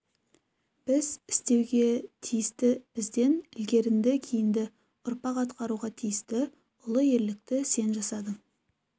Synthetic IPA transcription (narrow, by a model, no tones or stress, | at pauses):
b̥ɪzɪ̥st̪e̞wɡʲe̞t̪ʰijɪst̪ɪb̥ɪzd̪e̞nɪlɡʲe̞ɾɪnd̪ɪkʲʰijɪnd̪ɪ | ʊɾpɑqɑt̪qɑɾuʁɑt̪ʰijɪst̪ɪ | ʊlˠəje̞ɾlɪk̚t̪ɪse̞nʒɑsɑd̪ə